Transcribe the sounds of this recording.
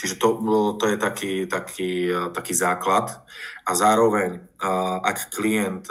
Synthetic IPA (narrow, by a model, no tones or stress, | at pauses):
t͡ʃiʒɛt̪ɔt̪ɔjɛt̪akiːt̪akʰiːt̪akiːzaːklat̪ʔazaːɾɔʋɛɲ | ʔakːliɛnt̪